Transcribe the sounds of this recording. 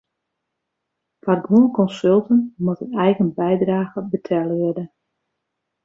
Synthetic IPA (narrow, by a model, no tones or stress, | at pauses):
farɡuənkɔnsølˠtənmutənɛjɣənbɛjdraːɣəbətʰɛlˠəʋɪdə